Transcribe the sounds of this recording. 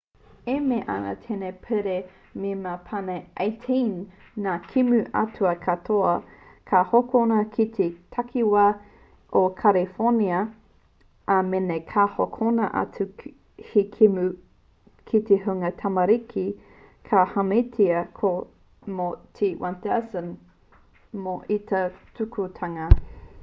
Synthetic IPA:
emeʔa̰nɐ̰t̪ʰenepʰeɾe | memapʰaneʔajtʰinː | akʰimʉʔɐ̰tuɐkʰɐtʰoɐ | kʰahokonɐkʰit̪ʰetʰakʰiwa | ʔokʰalifoniɐ | ʔɐmenekʰahokʰonɐʔɐ̰tu | hikʰimʉ | kʰiteɦuŋɐtʰɐmɐɾikʰi | kʰahɐmetʰiɐkʰo | motʰiwantɛsən | moʔit̪ɐtʰukʰutʰɐŋɐ

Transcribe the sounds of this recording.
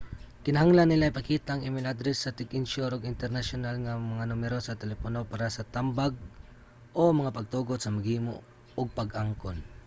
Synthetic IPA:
kɪnɐhaŋlanːɪlaipɐkiːt̪aʔːŋʔɪmɪnad̪ɾɛsːɐt̪ɪɡɪnʃoɾoɡɪnt̪ɛɾnasʊnalŋamɐŋanʊmɛɾosɐt̪ɛlɛponopaːɾasɐt̪ambaɡ̚ | ʔomɐŋapɐɡ̚t̪uːɡod̪̚sɐmɐɡiːmo̰ʔ | oɡ̚paɡʔaŋkon

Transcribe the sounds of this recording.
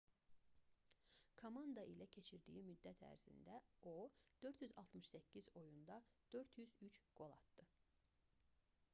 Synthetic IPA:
kʰomɑnd̪ɑʔilæcʰe̞t͡ʃʰiɾd̪ḭːimyd̪ːæt̪ʰæ̰ɾz̥ḭnd̪æod̪̥ø̞ɾt̪jyzɑlˠt̪mɯʃsæcʰːizo̞jund̪ɑd̪̥ø̞ɾt̪jyzyt͡ʃɡ̥o̞lˠɑ̰t̪d̪̥ɯ

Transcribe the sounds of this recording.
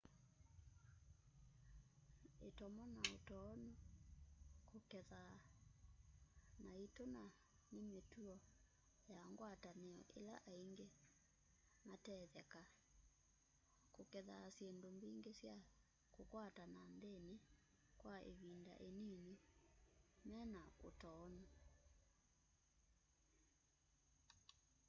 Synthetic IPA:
etɔmɔnaotɔnu | kokɛða | naitona | nemetuɔ | jaŋɡwatanɛɔ̰ʔela̰ʔaiŋɡe | matɛðɛka | kokɛðasjendombiŋɡesja | kokwatananðene | kwaḛβinda̰ʔeneni | mɛnao̰tɔna

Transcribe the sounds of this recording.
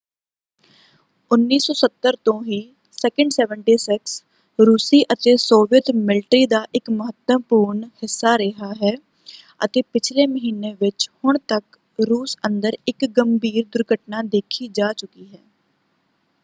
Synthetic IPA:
ʊnːiːsɔːsət̪ːəɾt̪õːɦiː | sɛːkə̃ɳɖsɛːʋəɳʈiːsɪks | ɾuːsiːʔət̪eːsoːʋɪjət̪mɪlʈɾiːd̪aːʔɪkməɦət̪əpuːɾɳhɪsːaːɾɪɦaːɦɛː | ə̰t̪eːpɪt͡ʃʰleːməɦiːneːʋɪt͡ʃhʊɳt̪ək | ɾuːsə̃nd̪əɾɪkɡəmbʱiːɾd̪ʊɾɡʱəʈnaːd̪eːkʰiːd͡ʒaːt͡ʃʊkiːɦɛː

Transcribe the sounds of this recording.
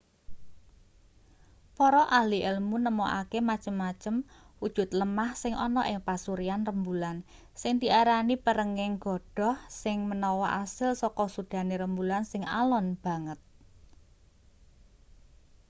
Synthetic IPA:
pɔɾɔʔaliʔɛlmunəmɔʔakemat͡ʃəmːat͡ʃəm | wud̥ʒ̥ʊ̤t̪̚ləmahsɪŋʔɔnɔʔɪŋpasuɾianrəmbulan | sɪŋd̪̥i̤ʔaɾanipəɾəŋɪŋɡ̥ɔ̤ɖ̥ɔ̤hsɪŋmənɔwɔʔasɪlsɔkɔsud̪̥ä̤neɾəmbulansɪŋa̰lɔnb̥ä̤ŋət̪̚

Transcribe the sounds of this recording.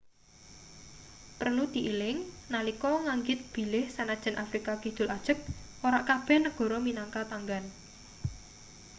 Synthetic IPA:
pərnud̪̥i̤ʔilɪŋnalikɔŋaŋɡɪt̪̚b̥i̤lɪhsanad̥ʒ̥ə̤nʔafɾikakid̪̥ʊ̤lad̥ʒ̥ə̤k̚oɾaʔkab̥ɛhnəɡ̥ɔ̤ɾɔminaŋkat̪aŋɡan

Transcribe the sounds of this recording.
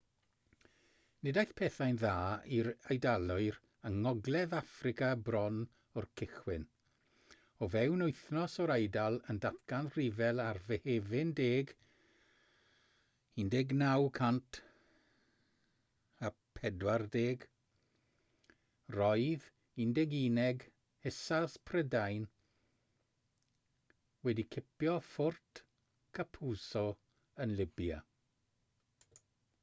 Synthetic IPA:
nɪdajθpʰɛθajnðaːiɾajdalˠʊɨɾ | əŋɔɡlˠɛðafrɪkabrɔn | ɔrkʰɪχwɪn | ɔvɛwnʊɨθnɔsɔɾajdalˠəndatkanr̥ivɛlˠarvɛhevɪndeːɡ | indeɡnawkʰantʰ | apʰɛdwardeːɡ | rɔjð | indɛɡiːnɛɡ | hɛsaspʰrɛdajn | wɛdikʰɪpjɔfʊrtʰ | kʰapʰuːsɔ | ənlɪbja̰

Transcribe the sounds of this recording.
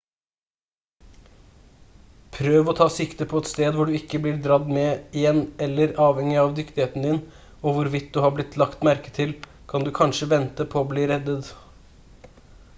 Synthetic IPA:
pʰɾøːʋɔt̪ʰɑːsɪkt̪əpʰɔɛt̪st̪eːd̪ʋʊɖʉɪkːəblɪɾd̪ɾɑd̪mɛɪjɛnːɛlːəɾɑːʋhɛŋɪɑʋd̪ʏkt̪ɪheːt̪n̩d̪ɪn | oʋʊɾʋɪt̪̚d̪ʉhɑːblɪt̪ʰlɑkt̪mæɾkə̥t̪ʰɪl | kʰɑnd̪ʉkʰɑnʂəʋɛnt̪əpʰoːbliːɾɛd̪ət̪

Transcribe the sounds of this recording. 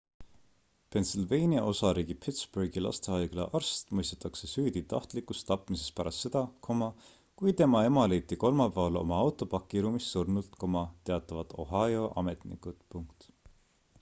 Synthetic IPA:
pe̞nsilvejniɑʔo̞sɑɾiːɡ̥ipʰit̪sb̥urɡ̥ilɑ̰st̪eɑjɡ̥lɑ̰ʔɑrst̪mujst̪et̪ˑːɑkse̞syːd̪it̪ɑht̪likˑust̪ːɑpmise̞spæɾɑst̪se̞d̪̥ɑkʰo̞mɑ | kujt̪e̞mɑe̞mɑle̞jt̪ːiko̞lmɑpæɑlo̞̰mɑɑwt̪ˑo̞pɑkːˑiɾumisːurnult̪ko̞mɑt̪e̞ɑt̪ːˑɑvɑt̪o̞ɦɑjo̞ʔɑ̰me̞t̪nḭkut̪puŋkt̪

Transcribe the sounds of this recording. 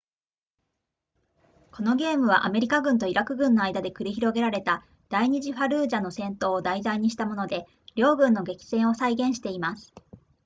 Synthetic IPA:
ko̞no̞ɡe̞ːmɯ̟β̞aʔame̞ɾʲikaɡɯ̟nt̪o̞iɾakɯ̟ɡɯ̟̃nːo̞aid̪ad̪e̞kɯ̟ɾʲiçiɾo̞ɡe̞ɾaɾe̞t̪a | d̪̥aiɲ̟iʑiɸaɾɯ̟ːʑano̞sẽ̞nt̪o̞ːd̪aizaiɲ̟iɕi̥t̪amo̞no̞d̪e̞ | ɾʲo̞ːɡɯ̟̃nːo̞ɡe̞kʲi̥sẽ̞ɰ̃o̞saiɡẽ̞ɰ̃ɕi̥t̪e̞imasɨ̥

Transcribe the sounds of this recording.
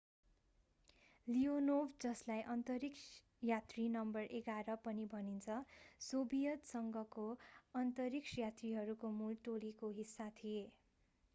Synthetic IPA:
lionobd͡zʌslajʔʌnt̪ʌɾiks | jat̪rinʌmbʌrʔeɡaɾʌpʌnibʱʌnint͡sʰʌsobijʌt̪sʌŋɡʱʌkoʌnt̪ʌɾiksjat̪riɦʌɾukomulʈolikoɦisːat̪ʰije

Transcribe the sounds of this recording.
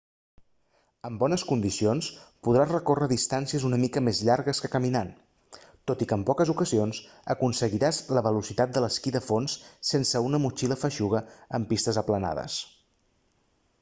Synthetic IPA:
əmbɔnəskund̪isionspuðɾazrəkorəðist̪ansiəzunəmikəmezʎaɾɣəskəkəminan | t̪ot̪ikəmpɔkəzukəzions | əkunsəɣiɾazləβəlusit̪at̪̚d̪ələskiðəfonsːensəunəmut͡ʃiləfəʃuɣ̞əəmpist̪əzəpləna̰ðə̰s

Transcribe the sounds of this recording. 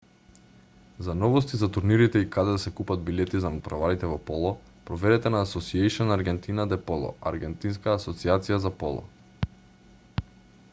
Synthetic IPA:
zanɔvɔs̬t̪izat̪uɾniɾit̪ɛikad̪ɛd̪asɛkupad̪̚bilɛt̪izanapɾavaɾit̪ɛvɔpɔlˠɔ | pɾɔvɛɾɛt̪ɛnaːsɔsiejʃɔnaɾɡɛnt̪inad̪ɛpɔlˠɔ̰a̰ɾɡɛnt̪inskaːsɔt̪siat̪sijazapɔlˠɔ̰

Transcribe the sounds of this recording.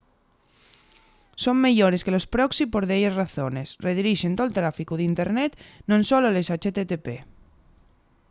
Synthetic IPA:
so̞ŋme̞ʝoɾe̞skelo̞spɾoksipo̞ɾðeʝasraθo̞ne̞sreðiɾiʃent̪olt̪ɾafikuð̞int̪e̞ɾnet̪nõnsolole̞sat͡ʃet̪et̪epe

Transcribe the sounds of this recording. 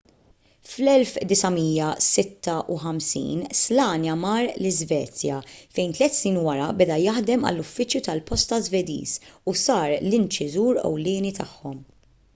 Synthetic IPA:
flɛlfd̪ɪsɐmiːjːɐsɪt̪ːɐʔuħɐmsḭːnslɐːnjɐmɐːɾlɪzvɛ̰ːt͡sjɐfɛjnt̪lɛt̪ːsniːnwɐɾɐbɛd̪ɐjɐħd̪ɛmɐ̰lːʊfːɪt͡ʃjut̪ɐlpɔst̪ɐzvɛd̪ḭːzusɐːɾlɪnt͡ʃɪzuːɾɛ̰wlɪːnit̪ɐħːɔm

